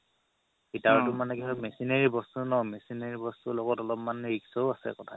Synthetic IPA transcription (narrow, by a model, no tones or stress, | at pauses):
itaɹtʊmanɛkɛɦɔmɛsinaɹibɔstunɔmɛsinaɹibɔstulɔɡɔtɔlɔpmanɹiksɔʊasɛ̰kɔtʰa̰